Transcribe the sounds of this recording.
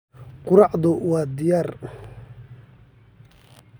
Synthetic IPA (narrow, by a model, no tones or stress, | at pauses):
qʊɾɑʕðʊwɑːd̪ɪjaːr